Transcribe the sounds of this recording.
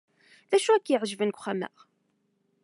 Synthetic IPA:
ðæʃuækːjəʕʒvənkʷχæmæ̰ʁ

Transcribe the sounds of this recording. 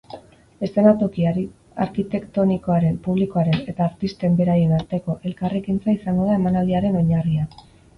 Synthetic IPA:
e̞st̪e̞nat̪o̞kiaɾi | aɾkit̪e̞kt̪o̞niko̞aɾe̞mpuβ̞liko̞aɾe̞ne̞t̪aːɾt̪ist̪e̞mbe̞ɾaje̞naɾt̪e̞ko̞ʔe̞lkarekint͡saisaŋɡo̞ðae̞manald̪iaɾe̞no̞ɲaria

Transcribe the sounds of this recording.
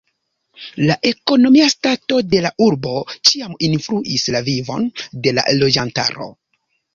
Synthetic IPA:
laʔe̞ko̞no̞miastato̞de̞laʔuɾbo̞t͡ʃiaminfluʔislavivo̞̰nde̞la̰lo̞d͡ʒanta̰ɾo̞̰

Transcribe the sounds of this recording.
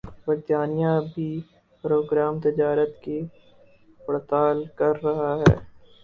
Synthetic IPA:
ʋɐɡd̪aːnijãbʱi | pɾoːɡɾaːmt̪ɪd͡ʒaːɾət̪ke | pɽt̪aːlkɐɾːɐɦaɦɛ̰ː

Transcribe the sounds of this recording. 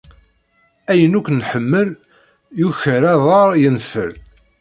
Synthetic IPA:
æjənukʷːnħəmːəl | juçəɾæðˤɑɾˤjənfə̰l

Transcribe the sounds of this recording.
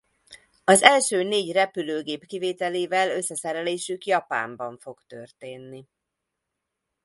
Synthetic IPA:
ɒzɛlʃøːneːɟrɛpyløːɡeːpkiveːt̪ɛleːvɛlø̞sːɛsɛɾɛleːʃykjɒpa̰ːmbɒɱfo̞kt̪ørt̪eːnːi

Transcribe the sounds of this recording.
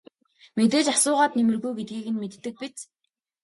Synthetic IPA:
met̪eːt͡ɕasʊːʁaːt̪nemɘ̆rɣujɡet̪̚ɡiːɣɘ̆nmet̪ːɘ̆k̚pit͡s

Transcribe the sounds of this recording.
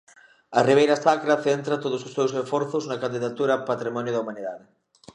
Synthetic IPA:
ɐriβ̞ejɾast̪akɾaθent̪ɾat̪oðʊsosːewsesfɔɾθʊznɐkand̪iðat̪uɾapat̪ɾimɔnjoðɐumãniðaðɪ

